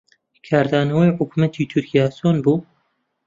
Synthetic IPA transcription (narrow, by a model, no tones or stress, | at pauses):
kʰaːɾd̪aːnɐwejħʊkumɐt̪ʰiːt̪ʰʊɾkʲijaːsoːnbuː